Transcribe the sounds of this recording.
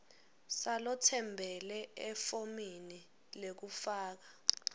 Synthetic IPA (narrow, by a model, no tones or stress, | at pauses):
salɔtʰɛmbʱɛlɛɛfomini | lek̬ufaːk̬ḁ